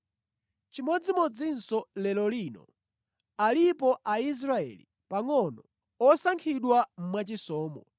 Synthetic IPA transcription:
t͡ʃimɔd͡zimɔd͡zinsɔlɛlɔlinɔ̰ | alipɔʔais̬ɾaɛ̰li | paŋɔnɔ | ɔsaŋkʰiɗwam̩mwat͡ʃisɔːmɔ

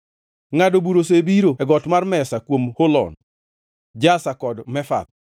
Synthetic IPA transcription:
ŋadobuɾosebiɾoɛɡɔtmarmɛsakwomholɔ̰n | d͡ʒasakɔdmɛfa̰t̪̚

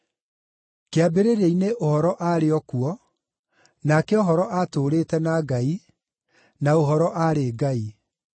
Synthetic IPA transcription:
keabeɾeɾeineʔohɔɾɔʔaɾeɔkuɔ | nakɛɔɦɔɾɔʔatoːɾeːtɛnaɡai | naoɦɔɾɔʔaɾeːɡai

